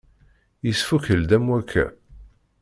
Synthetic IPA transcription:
jəsfuçəld̪æmwækʰːæ̰

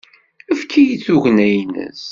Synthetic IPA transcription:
əfkʰːijit͡sːuʝnæjnə̰s

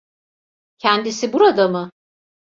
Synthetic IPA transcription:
cʰɛnd̪isibuɾad̪amɯ

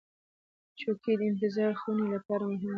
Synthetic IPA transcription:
t͡ʃoked̪əɪnt̪ɪzɑɾxunelapɑɾamʊɦɪm

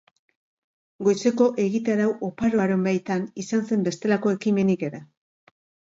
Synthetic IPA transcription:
ɡo̞jse̞ko̞ʔe̞ɣit̪aɾawʔo̞paɾoaɾo̞mbajt̪anisanse̞mbe̞st̪e̞lako̞e̞kime̞nike̞ɾa

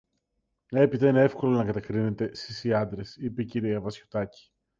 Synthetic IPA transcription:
e̞pit̪ɐinee̞fko̞lonɐkɐt̪ekɾine̞t̪e̞st̪isiɐnd̪ɾe̞sipe̞ciɾiɐvɐsçot̪ɐci̥

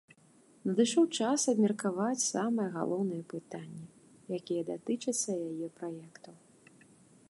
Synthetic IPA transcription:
nɐd̪ɨʂɔwt͡ʂasɐbmʲɐrkavat͡sʲsamɐjɛɣa̰lˠɔwnɨjɛpɨt̪anʲːɛ | jakʲijɛd̪at̪ɨt͡ʂɐt̪sːɐjajɛpɾajɛkt̪ɐw

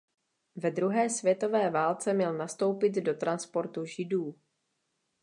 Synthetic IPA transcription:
vɛd̪ɾuɦɛːsvjɛt̪o̞vɛːvaːlt͡sɛmɲɛlnast̪o̞wpɪt̪do̞t̪ɾanspo̞ɾt̪uʒɪduː

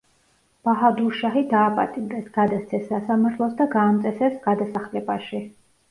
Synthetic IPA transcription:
b̥aɦad̪uʃaɦid̪aːpʼa̰t̪ʼimd̪ɛsɡ̥ad̪ast̪sʰɛsːasamaɾt̪ʰlˠɔsd̪aɡaːmt̪sʼɛsɛsɡ̥ad̪asaχlɛbaʃi

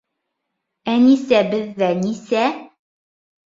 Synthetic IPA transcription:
ænisæbɘ̆ðːænisæ

